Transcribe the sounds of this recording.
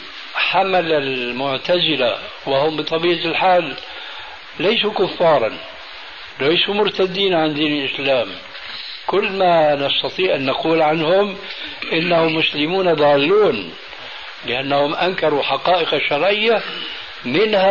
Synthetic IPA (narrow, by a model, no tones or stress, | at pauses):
ħamalalmʊʕt̪azɪla̰ | wɪhʊmbɨt̪ˤɑbiːʕalħaːlː | ajsukʊfːɑːɾˤɑ̰n | lajsumʊɾt̪ad̪ːiːnʕand̪iːnɪlʔɪslaːm | kʊlːmanɑst̪ɑt̪ˤiːʕʔanːaquːlʕanhʊmʔɪnːahʊmːʊslɪmuːnad̪ˤɑːlːuːn | lɪʔanːahʊmʔaŋkɑɾˤuħaqɑːʔɪqaʃːɑɾˤʕɪjːa | mɪnha